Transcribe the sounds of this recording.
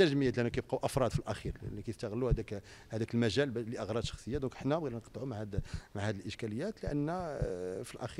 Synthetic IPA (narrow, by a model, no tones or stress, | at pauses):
æʒməjæt̪liʔænːukæjəb̚qɑʔɑfɾˤɑd̪filʔæxiɾlʔnːukæjəst̪æɣlːuhæd̪ækhæd̪ækəlmæʒælbliʔɑɣɾˤɑd̪ʃɑxsˤəjːad̪ɔ̃kʔəħnæbɣid̪lænqɑ̥t̪ˤʕumaʕæd̪maʕhæd̪əlʔəʃkæləjːæt̪ləʔənːæfilʔæxi